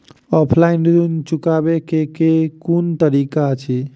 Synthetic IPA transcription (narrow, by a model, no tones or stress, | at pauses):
ɔpʰlainɖɾunt͡ʃukabekekekunt̪əɾikat͡ʃʰi